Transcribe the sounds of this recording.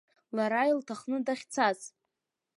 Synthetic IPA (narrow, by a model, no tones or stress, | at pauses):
laɾajltʰaχnɨdaχʲt͡sʰaz